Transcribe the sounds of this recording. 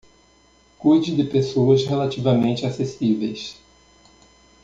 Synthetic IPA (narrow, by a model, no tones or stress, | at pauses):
kujd͡ʒɪd̪ɪpesoɐshelat͡ʃivɐmẽnt͡ʃɪasesivejs